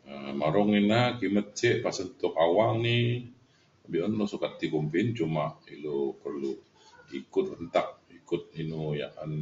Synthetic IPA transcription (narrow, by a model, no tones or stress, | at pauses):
əmaɾɔŋinakimət̪̚t͡ʃɛʔpasənt̪ʊkawaŋni | abihənlɔsukat̪̚ːikumpɪnt͡ʃumaʔilopərlu | ikʊt̪̚ənt̪ak̚ikʊt̪̚inuja̰ʔan